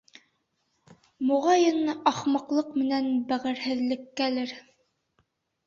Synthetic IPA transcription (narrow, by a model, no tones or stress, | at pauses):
muʁɑjɤnʔɑχmɑqlˠɤqmɘ̆nænbæʁɘ̆ɾhɘ̆ðlɘ̆kːælɘɾ